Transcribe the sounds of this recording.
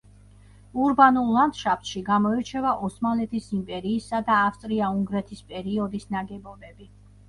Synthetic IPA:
uɾbanulˠːand̪ʃap̚t̪ʃiɡamɔiɾt͡ʃʰɛvaʔɔsmalɛt̪ʰisimpʼɛɾiːsad̪aːfst̪ʼɾiauŋɡɾɛt̪ʰispʼɛɾiɔd̪isnaɡɛbɔbɛbi

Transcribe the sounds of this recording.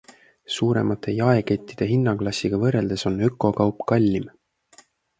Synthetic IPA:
suːɾe̞̰mɑt̪ːˑe̞jɑe̞ke̞t̪ʲːid̪̥e̞ɦinːɑɡ̥lɑsʲiɡ̥ɑvɤre̞ld̪̥e̞so̞nøkːˑo̞kɑwpkɑlʲːim

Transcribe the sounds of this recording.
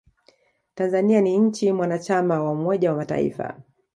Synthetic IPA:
tanzanianiɲ̩t͡ʃimwanat͡ʃamawaumɔʄawamata̰ḭfa̰

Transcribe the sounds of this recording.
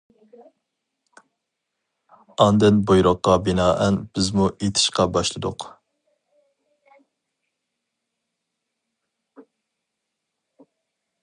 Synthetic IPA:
ɑnd̪ɪnbojɾʊqːɑbɪnɑːʔɛnb̥ɪzmuʔet̪ʰɪ̥ʃqɑbɑʃlˠɨd̪ʊ̰q

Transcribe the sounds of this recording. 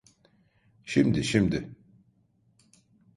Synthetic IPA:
ʃimd̪iʃimd̪ɪ

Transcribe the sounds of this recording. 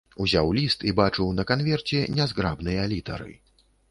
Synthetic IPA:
uzʲawlʲist̪ibat͡ʂɨwnɐkanvʲɛrt͡sʲɛnʲɛzɡɾabnɨjɐlʲit̪ɐ̰ɾɨ̰

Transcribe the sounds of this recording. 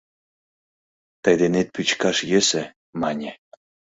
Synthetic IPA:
t̪ɑjd̪enet̪̚pyt͡ɕkɑʃjɘ̆sɘ̆ | mɑnʲe

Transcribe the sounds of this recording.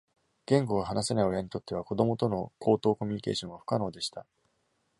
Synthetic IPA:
ɡ̥ẽ̞ŋɡo̞ɡaɦanasenaio̞jaɲ̟it̪o̞t̪ːe̞βako̞d̪o̞mo̞t̪o̞no̞kʰo̞ːt̪o̞ːko̞mʲiɲ̟ike̞ːɕõ̞ŋ̃ɡaɸɯ̟̥kano̞ːd̪e̞ɕi̥t̪a

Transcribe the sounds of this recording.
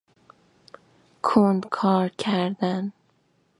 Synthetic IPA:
kʰond̪kʰɒːɾcʰæɾd̪æn

